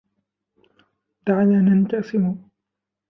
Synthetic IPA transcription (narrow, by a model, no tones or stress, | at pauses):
d̪aʕalanant̪asɪmʊ